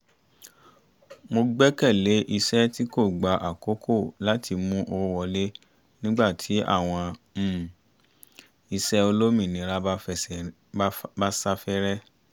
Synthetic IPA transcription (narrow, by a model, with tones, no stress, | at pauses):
mo˧ɡ͡bɛ˦kɛ˦˨le˨˦ʔi˧sɛ˦ti˦ko˦˨ɡ͡ba˨ʔa˨ko˨˦kʰo˦˨la˦tʰi˧mũ˦ʔo˧˦wɔ˧le˦ | nĩ˦ɡ͡ba˦˨tʰi˨˦ʔa̰˦˨w̃ɔ̃˧m̩˦˨ | i˧sɛ˦o˧lo˦mĩ˦˨nĩ˨˧˦ɾa˦ɛ˦˨ | ba˦sa˦fɛ˦ɾɛ˦